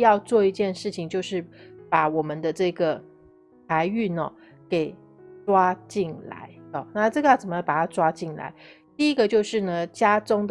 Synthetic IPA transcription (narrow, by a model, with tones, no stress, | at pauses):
jɑ˥˧ʊt͡swɔ˥˩i˧˥t͡ɕjɛ˥˧nʂɻ̩˥˩t͡ɕʰi˨ŋt͡ɕjo˥˧ʊʂɻ̩˥˩pa˧˥˦wɔ˨˩mə˨˦nd̪ə˦ʈ͡ʂɤ˥˩ɡə˩ | t̪ʰa˧˥ɪy˥˩nə˩ | ke˨˩ɪ | ʈ͡ʂwa˥t͡ɕi˥˩nla̰˧˥˦ɪə˥˩na˥˧ʈ͡ʂɤ˥˩ɡə˦jɑ˥˩t͡sə˨˩m˦jpa˨˩t̪ʰʈ͡ʂwa˥t͡ɕi˥˩nla̰˧˥ɪt̪i˥˩i˦˥ɡə˨t͡ɕjo˥˧ʊʂɻ̩˥˩nə˩t͡ɕja˥t͡sʊ˥ŋd̪ə